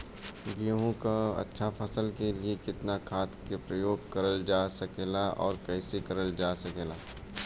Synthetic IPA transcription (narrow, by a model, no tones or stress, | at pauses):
ɡijoɦõkaɐ̰tːʃʰapʰɐsəlkeliekɪt̪nakʰaːt̪kepɾɐjoːɡkɐɾəld͡ʒaːsɐkeːlaʔɔ̰ːɾkɛːsekɐɾəld͡ʒaːsɐkeːlaː